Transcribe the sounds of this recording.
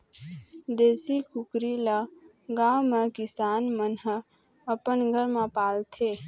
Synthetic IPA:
d̪esikukɾilə | ɡawmekisaːnmənɦə | əpənɡʱəɾmãpaːlt̪ʰe

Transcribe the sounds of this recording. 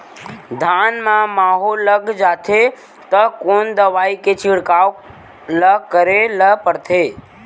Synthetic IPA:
d̪ʱaːnmãmaːɦolːəɡd͡ʒaːt̪ʰe | t̪əkoːnd̪əʋaːiket͡ʃɪɽkaːw | ləkəɾeləpəɽt̪ʰeː

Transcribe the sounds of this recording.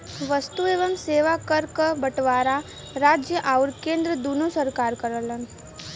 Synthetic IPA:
ʋɐst̪ueːʋəmseːʋakɐɾkəbɐʈʋaːɾa | ɾaːd͡ʒjəʔaʊɾkẽːnd̪ɾəd̪uːnosɐɾkaːɾkɐɾələn

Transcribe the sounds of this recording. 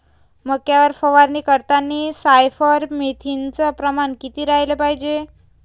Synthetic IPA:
məɡ̚kjaʋəɾfəʋaɾniːkəɾt̪anːisajfəɾmet̪ʰint͡səpɾəmankit̪iːɾaɦilepaɦid͡ʑe

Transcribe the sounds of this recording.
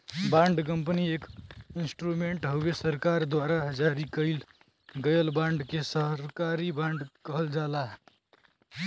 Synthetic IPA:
bãːɳɖk̬ə̃mpənieːkɪnsʈɾumẽɳʈɦowesəɾkaɾd̪waɾad͡ʒaːɾikəil | ɡəjəlbãːɳɖkesəɦɾkaɾibãːɳɖkəɦəld͡ʒaːlaɦ

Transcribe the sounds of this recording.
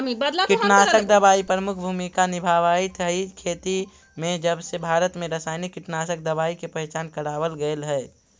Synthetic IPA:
kɪʈnaːsək̚d̪əbaːipɾəmʊkʰbʱuːmikanɪbʱaʋaːit̪ɦəikʰeːt̪i | mẽd͡ʒəbsebʱaːɾət̪mẽɾəsaːɪnikːɪʈnaːsək̚d̪əbaːikepəɛt͡ʃaːnkəɾaːʋəlɡəelɦɛː

